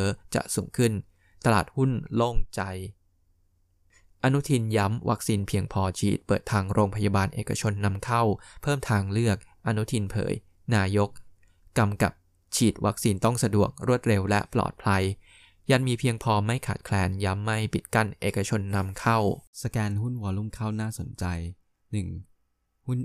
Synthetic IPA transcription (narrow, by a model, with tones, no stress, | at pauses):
əː˦˥t͡ɕa̰˨˩ʔsuː˩˦ŋkʰɯ˥˩n | t̪a˧laː˨˩t̪̚hu˥˩nlo˥˩ŋt͡ɕa˧j | ʔa˧nu˦˥t̪ʰi˧nja˦˥mwʔa˦˥k̚siː˧npʰi˧əŋpʰɔː˧t͡ɕʰḭː˨˩t̪̚pɤː˨˩t̪ʰːaː˧ŋɾoː˧ŋpʰa˧ja˧baː˧nʔḛː˨˩ka̰˧t͡ɕʰo˧nːa˧mkʰa˥˩wpʰɤː˥˩mt̪ʰaː˧ŋlɯ˥˩ək̚ | ʔa˧nu˦˥t̪ʰi˧npʰɤ̰ː˩˦j | naː˧jo˦˥k̚ | kːa˧mka̰˨˩p̚ | t͡ɕʰiː˨˩t̪̚wʔa˦˥k̚siː˧nt̪ɔ˥˩ŋsa˧du˨˩ək̚ɾu˥˩ət̪̚ɾe˧wlɛ̰˦˥plɔ̰ː˨˩t̪̚pʰla˧j | ja˧nmiː˧pʰi˧əŋpʰɔː˧ma˥˩jkʰa̰˨˩t̪̚kʰlɛː˧nja˦˥mːa˥˩jpi˨˩t̪̚ka˥˩nʔeː˨˩ka˧t͡ɕʰo˧nːa˧mkʰa˥˩wsa˧kɛː˧nhu˦˥˩nhu˧˩ɐlu˥˩˨mkʰa˥˩wnaː˥˩so˩˦nt͡ɕa˧j | nɯ˨˩ŋ | hu˥˩n